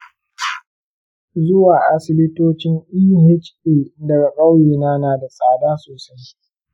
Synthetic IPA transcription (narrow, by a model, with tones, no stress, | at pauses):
zʊ˦waː˨ʔa˦sɪ˦lɪ˦toː˦t͡ʃɪ˦ŋʔiː˦ɦɪ˦t͡ʃeː˨dɐ˨ɡa˨kʼɐ˦wjiː˨naː˦naː˨da˨sʼaː˨daː˦soː˨sa˦j